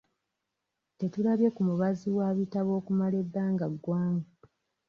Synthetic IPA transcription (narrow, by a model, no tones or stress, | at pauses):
te̞tulaβje̞kumuβaziwaβitaβo̞ːkumale̞bːaːŋɡaɡːwaːŋɡa